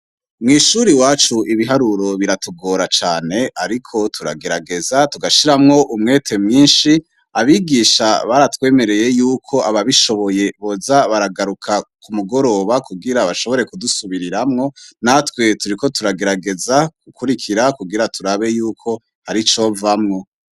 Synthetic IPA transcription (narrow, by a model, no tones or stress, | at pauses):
mŋiːʃuːɾiwaːt͡ʃuʔiβiɦaɾuɾo̞βiɾatuɡo̞ːɾat͡ʃaːne̞ʔaɾikʰo̞tʰuɾa̰ɡe̞ɾaɡe̞zatuɡaʃiɾamŋo̞ʔumŋe̞ːtʰe̞mŋiːnʃi | aβiɡiːʃaβaɾatwe̞ːme̞ɾe̞je̞juːkʰo̞ʔaβaβiʃo̞βo̞je̞βo̞zaβaɾaɡaɾukʰakʰumuɡo̞ɾo̞βakuɡiɾaβaʃo̞βo̞ɾe̞kudusuβiɾiɾamŋo̞natwe̞tuɾiko̞tuɾaɡe̞ɾaɡe̞zaɡ̥ukuɾikʰiɾakuɡiɾatʰuɾaβe̞juːkʰo̞ | haɾit͡ʃo̞vamŋo̞